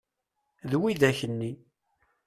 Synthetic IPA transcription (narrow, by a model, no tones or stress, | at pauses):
ðwiðæçənːi